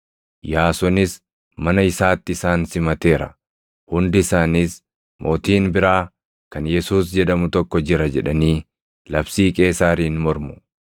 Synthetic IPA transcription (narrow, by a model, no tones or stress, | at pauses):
jaːsɔnɪs | mɐnɐɪsaːt̪ːɪɪsaːnsɪmɐt̪e̞ːɾɐ̰ | hʊnd̪ɪɪsaːnis | mʔo̞ːt̪iːnbɪɾaː | kɐnjɛsuːsd͡ʒɛᶑɐmʊt̪ɔkːɔd͡ʒɪɾɐd͡ʒɛᶑɐniː | lɐbsiːkʼe̞ːsaːɾiːnmɔɾmʊ̥